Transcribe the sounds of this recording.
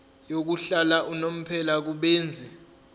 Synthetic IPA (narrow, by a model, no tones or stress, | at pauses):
jok̬uɬalaʔunom̩pʰɛlak̬uɓeːnd͡zʱi